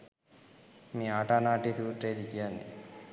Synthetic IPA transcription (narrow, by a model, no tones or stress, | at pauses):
miːaːʈaːnaːʈiːsuːʈɾeːd̪ikijaːnːḭ